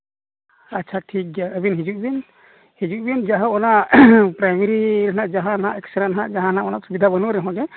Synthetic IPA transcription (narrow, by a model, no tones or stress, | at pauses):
at͡ʃʰaʈʰik̚d͡ʒaəbinɦid͡ʒuʔ̚bin | hid͡ʒuʔ̚bind͡ʒaɦãɔnaʔpɾajmiɾiɾɦnaʔd͡ʒaɦãnãʔɛksaɾanɦãʔd͡ʒaɦãnãʔɔnaʔsubid̪ʱabənuɾɛɦɔ̃d͡ʒɛ